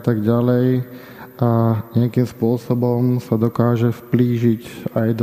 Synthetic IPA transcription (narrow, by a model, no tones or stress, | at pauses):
t̪aɡɟalɛj | aɲɪakiːmspʊɔsɔbɔmsad̪ɔkaːʒɛfpliːʒiɟajd̪